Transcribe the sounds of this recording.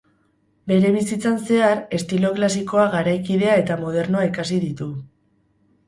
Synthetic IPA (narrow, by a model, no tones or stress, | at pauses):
be̞ɾe̞β̞isit͡sanse̞aɾe̞st̪ilo̞klasiko̞aɣaɾajkið̞e̞ae̞t̪amo̞ð̞e̞ɾnoaikasiðit̪u